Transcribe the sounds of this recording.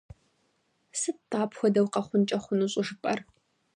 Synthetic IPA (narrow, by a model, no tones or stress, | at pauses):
sɨtaːpʰxʷɐdɐwqɐχʷʊnt͡ʃʼɐχʷʊnuːɕʼɪʒɨpʼɐr